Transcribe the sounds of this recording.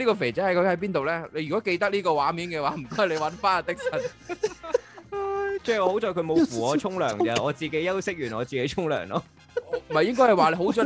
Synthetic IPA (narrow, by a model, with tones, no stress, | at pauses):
liː˥kɔː˧fe˨˩t͡sɛː˨˥hɐ˨jkɔ˨˥ŋhɐ˨˦jp̬iː˥nt̪o˨wlɛː˥le˨˧jy˨kɔː˨˥ke˧jt̪ɐ˥k̚liː˥kɔː˧waː˨˥miː˨˥nkɛ˧waː˨˥m̩˨˩kɔː˥jle˧jwɐ˨˥nfaː˥naː˧˩t̪ɪ˥k̚sɐ˨˩n | ajt͡sɛː˥˨ɔː˨˧ho˨˥wt͡sɔː˨˧jkʰɵ˨˧ɥmo˨˧fuː˨˩ɔː˨˧t͡ʃʰʊ˥ŋlœː˨˩ŋɐ˨˩ɔː˨˧t͡siː˨˩ke˨˥jːɐ˥wsɪ˥k̚jyː˨˩nɔː˨˧t͡siː˨ke˨˥jt͡ʃʰʊ˥ŋlœ̰ː˨˩ŋlɔ̰˧˨˥ | m̩˨˩ɐ˨jɪ˥ŋkɔ˥jhɐ˨˩waː˨lɦo˨˥wt͡sɔ˨˧